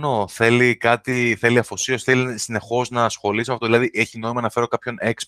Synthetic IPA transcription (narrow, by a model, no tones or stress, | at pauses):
noθe̞likɐt̪iθe̞liɐfo̞sio̞sθelisine̞xo̞znɐsxo̞lisimɐft̪oðilɐðiʔeçino̞imɐnɐfe̞ɾo̞kɐpço̞ne̞ks